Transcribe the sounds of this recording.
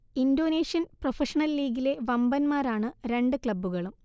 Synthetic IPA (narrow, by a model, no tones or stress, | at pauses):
indo̞ːneːʂjɐnprofɐʂɐnɐlːiːɡile̞ʋɐmbɐnmaːɾaːɳɨɾe̞ɳɖɨkɭɐbːuɣɐɭum